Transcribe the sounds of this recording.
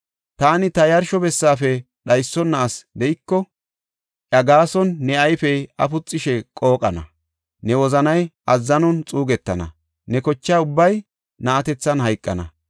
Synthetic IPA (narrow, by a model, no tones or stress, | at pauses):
t̪aːnɪt̪ɐjɐɾʃɔbɛsːaːfɛ | ɗɐjsːɔnːɐːsd̪ɛjɪkːɔ | ʔɐɡaːsɔnːɛɐjfɛjɐ̰fʊt͡sʼːɪʃɛkʼo̞ːkʼɐnɐ̰ | nɛwɔzɐnɐjʔɐzːɐnɔnt͡sʼuːɡɛt̪ːɐnɐ̰ | nɛkɔt͡ʃːaːʊbːɐj | nɐːt̪ɛt͡sːɐnɦɐjkʼːɐ̰nɐ̰